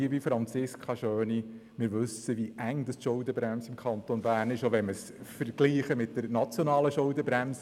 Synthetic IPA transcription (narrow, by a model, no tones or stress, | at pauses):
iəvifɾɑnt͡sɪskʰɑʃøːnimɪːɾʋɵsəʋiʔæŋd̥̪ɑstʃʊʊdəbɾæmsɪmkʰɑnt̪onbæːrnɪʃoʋɛnməs | fəɾɡ̥liːχəmɪt̚dəɾnɑt͡sjonɑːləʃʊʊdəbɾæms